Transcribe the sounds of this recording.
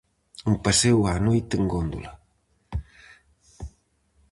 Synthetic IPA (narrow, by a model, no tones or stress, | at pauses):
umpasewanojt̪eŋɡond̪ṵlɐ